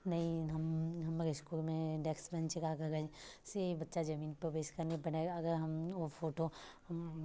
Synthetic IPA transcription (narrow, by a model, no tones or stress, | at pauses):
nɐɦĩɦɐmɦɐmaɾeskuːlmẽɖɛksbɛ̃nt͡ʃɪkaːkɐɡɐsebɐtːʃad͡ʒɐmĩːnpəbeːskɐɾnepɐɽeɐɡəɾɦɐmopʰoːʈohɐm